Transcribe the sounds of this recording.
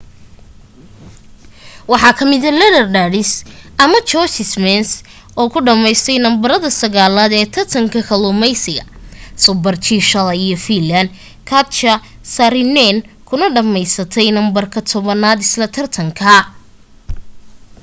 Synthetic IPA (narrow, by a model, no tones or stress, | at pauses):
wɑħɑːkʰɐmɪðɐlɛnɐrɖaːɽɪsʔɐmɐt͡ʃɔsɪsmɛns | ɔːkʰʊɖɐmɛjst̪ʰɛjnɐmbɐɾɐðɐsɐɣaːlaːd̪ɛːt̪ʰɐrt̪ʰɐŋkʰɐkʰɐlʊːmɛjsɪɣɐsʊbɐrt͡ʃʰiːʃɐlijɔfilɐn | kʰɐt̪t͡ʃɐ | saɾɪnɛn | kʰʊnɐɖɐmɛjsɐt̪ʰɛjnɐmbɐrkʰɐt̪ʰɔβɐnaːd̪ɪslɐt̪ʰɐrt̪ʰɐŋkʰɐ